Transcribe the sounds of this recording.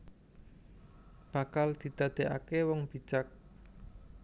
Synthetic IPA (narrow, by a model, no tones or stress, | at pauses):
b̥a̤kald̪̥i̤d̪̥ä̤d̪̥e̤ʔa̰kewɔŋb̥i̤t͡ʃak̚